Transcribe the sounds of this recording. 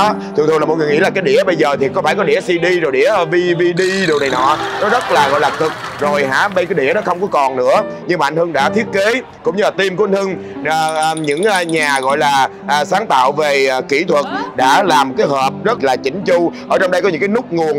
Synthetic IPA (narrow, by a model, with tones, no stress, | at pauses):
t̪ʰɨ˨˩ŋt̪ʰlaː˨m̚˨˩ŋɨ˨˩jŋḭ˧˥˦la˨˩kaː˨˦jɗḭ˧˩əɓə˧jzəː˨˩t̪ʰi˨˩kɔ˨˧˦faː˧˩jkɔ˨˦ɗi˧˩˥əsi˧ɗi˧zo˨˩jɗḭ˧˥əvi˧vi˧ɗi˧ɗi˨˩wna˨˩jnɔ̰˧˨nɔ˨˦zə˦˥t̚laː˨˩ɣɔ̰˧˨jlaː˨˩t̪ʰɨ˨˩k̚ | zo˨˩jɦa̰ː˧˥ɓə˧jkaː˨˦jɗḭ˧˩əɗɔ˨˦xə˧wŋ͡mkɔ˨˦kɔ˨˩nnɨ̰˧˥əɲɨ˧ŋ͡mmaː˨˩ʔn̟hɨ˧ŋɗa̰ː˧˥t̪ʰi˦˥ət̚ke˨˦ | kʊ̰˧˥ŋ͡mɲɨ˧laː˨˩t̪i˧mku˧ʔn̟hʰɨ˧ŋː˨˩˨ | ɲɨ̰˧˥ŋ˧ɲaː˨˩ɣɔ̰˧˨jlaː˨˩ | ʔəː˨˩saː˨˦ŋt̪a̰ː˧˨wve˨˩˨ki˧˩t̪ʰwə˨˩t̚ɗa̰ː˧˥laː˨˩m˨˩kaː˨˦jhəː˨˩p̚zə˦˥t̚laː˨˩t͡ɕï˨˦ŋ̟t͡ɕu˧ʔəː˧˩t͡ɕɔ˧wŋ͡mɗə˧jkɔ˨˦ɲɨ̰˧˥ŋkaː˨˦nʊ˦˥k͡p̚ŋu˨˩ən